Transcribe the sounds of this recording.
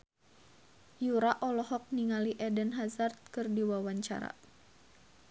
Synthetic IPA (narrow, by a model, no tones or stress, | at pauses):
juɾaʔɔlɔɦɔk̚niŋaliʔɛdənɦazart̪̚kɨrdiwawaɲt͡ʃa̰ɾa̰